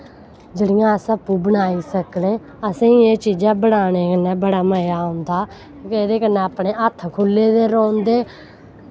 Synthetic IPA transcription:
d͡ʒəɽɪjãːəsəpuːbənaːiːsəkɽeː | əsãːĩːeːt͡ʃiːd͡ʒaːbəɽaːneːkənɛːbəɽaːməjaːõnd̪aː | kõːkeed̪eːkəneaːpɳeːət̪ʰːkʰʊlːeːd̪eːɾɔ̃ːnd̪eː

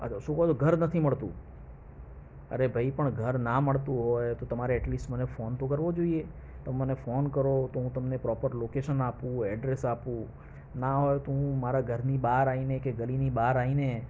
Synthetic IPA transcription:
ə̰t͡ʃʰaʃũːkəɦooɡʱəɾnət̪ʰiməɭt̪ṵ̃ | ə̰ɾebʱəipəɳɡʱəɾnaməɭt̪ũɦojt̪ot̪əmaɾeɛʈlisʈmənefont̪okəɾʋod͡ʒoie | t̪omənefonkəɾot̪oɦũt̪əmnepɾɔpəɾlokeʃənapũɛɖɾesapũ | naɦojt̪oɦũmaɾaɡʱəɾnibaɾainekeɡəlinibaɾaine

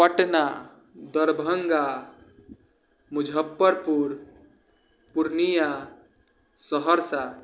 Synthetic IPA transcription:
pəʈna | d̪əɾbʱəŋɡa | mud͡ʒʱəpːəɾpuɾ | puɾnija | səɦəɾsa

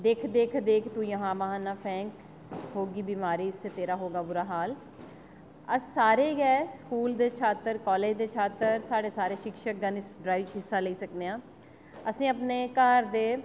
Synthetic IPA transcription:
d̪eːkʰd̪eːkʰd̪eːkʰt̪ũːjəɦãːməɦaːnaːpʰɛ̃ːŋk | ɦoːɡiːbiːmaːɾiːɪsːeːt̪eːɾaːɦoːɡaːbʊɾaːɦaːl | əsːaːɾeːɡɛːskuːld̪eːt͡ʃʰaːt̪əɾkɔːleːd͡ʒd̪eːt͡ʃʰaːt̪əɾsaːɽeːsaːɾeːʃɪkʃək̚ɡənɪsɖɾaːiʋt͡ʃɦɪsːaːləiːsəkd̪eːãː | əsĩːəpneːkəːɾd̪eː

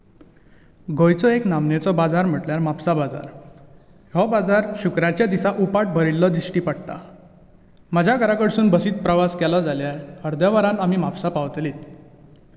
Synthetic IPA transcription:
ɡʱojt͡sɔeknamnet͡sɔbad͡zaɾm̤əʈljaɾmapsabad͡za̰ɾ | ɦɔbad͡zaɾɕukɾat͡ɕjad̪isaʔupaʈ̚bʱəɾilːɔd̪ɾisʈiːpaɽt̪a̰ | məd͡ʑʱjaɡəɾakəɽsuːnbəsiːt̪̚pɾəʋaskɛlɔd͡zaljaɾhəɾd̪jaʋəɾãnam̤iːmapsapaʋt̪liːt̪

